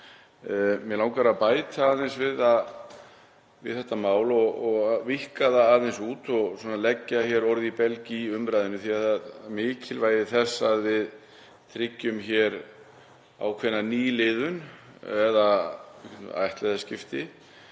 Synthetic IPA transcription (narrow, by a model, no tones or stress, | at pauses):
mjɛlawŋkaɾaðpaːjt̪aːðɛnsvɪðað | vɪ̰ðθɛht̪amaːwlɔɣɔɣvihkaðaːðθɛnsuːt̪ɔɣswɔːnalɛcːaçɛɾɔɾðipɛlciʏmɾajðɪnʏθiaaðmɪːcʰɪlvaːjðɪθɛsːaðvɪð | t̪ʰɾɪcːʏmçɛɾ | a̰wkʰvɛnːaniːlɪːðʏn | ɛða | a̰jht̪lɛðascɪft̪ɪ